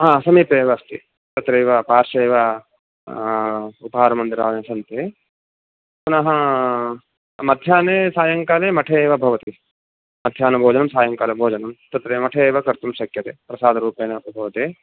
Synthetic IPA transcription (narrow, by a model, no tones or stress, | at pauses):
ɦãːsɐmiːpeːʋɐɐst̪i | t̪ɐt̪ɾeːʋɐpaːɾʃeːʋɐ | upɐɦaːɾɐmɐnd̪iɾaːnesɐnt̪e | punɐɦɐ̃ | mɐd̪ʱjaːneːsaːjɐŋkaːleːmɐʈʰeːʋɐbʱɐʋɐt̪i | mɐd̪ʱjaːnɐbʱoːd͡ʒɐnɐmsaːjɐŋkaːlebʱoːd͡ʒɐnɐmt̪ɐt̪ɾeːmɐʈʰeːʋɐkɐɾt̪umʃɐkjɐt̪epɾɐsaːd̪ʱɐɾuːpeːnɐpɐbʱɐʋɐt̪eː